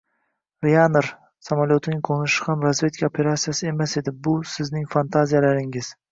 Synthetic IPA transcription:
ɾianɾ | samaljot̪ʰɪnɪŋqʰonɪʃɪ̥hamɾazvʲe̞t̪ʰɪ̥kʰʲaopʰe̞ɾat̪sijasɪe̞mase̞d̪ɪbʊsɪznɪŋfant̪ʰazijalaɾɪŋɪz̥

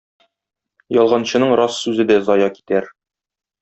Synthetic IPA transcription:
jɒlˠʁɑnɕɤ̆nɤɴɾɒsːʉzɘd̪æzɒjɑki̥t̪æɾ

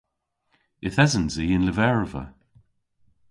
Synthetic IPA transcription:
ɪθɛzənziɪnləvɛɹvə̰

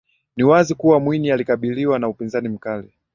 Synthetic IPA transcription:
niwazikuwamwinialikaɓiliwanaupinzanim̩kali

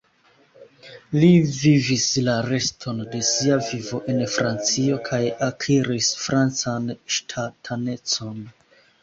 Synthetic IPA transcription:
livivislaɾe̞stʰo̞nde̞siavivo̞ʔe̞nfɾant͡sio̞kʰajakʰiɾisfɾʔant͡sanʃtʰatʰane̞t͡so̞n

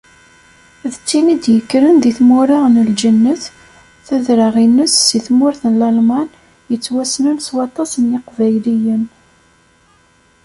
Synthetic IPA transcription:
ðət͡sːinid̪jəkːɾənðiθmʊɾˤɑʁnəld͡ʒənːəθ | θæðɾəʁinːəsːiθmʊɾθənlɑlmɑn | jət͡sːwæsnənswɑt̪ˤɑsənjɪqvæjlijən

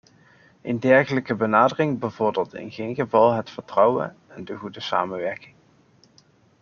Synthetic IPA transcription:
ʔəndɛɹχələkəbənaːdərɪŋbəvʊɹdɪːlˠtɪ̰nɣejnɣəvɑlˠɦətfəɹtrɑwə̰n | ɛndəχudəsa̰ːmənʋɛɹkɪŋ

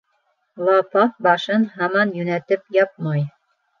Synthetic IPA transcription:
lˠɑpɑp̚bɑʃɤnhɑmɑnjʉnæt̪ɘpjɑp̚mɑj

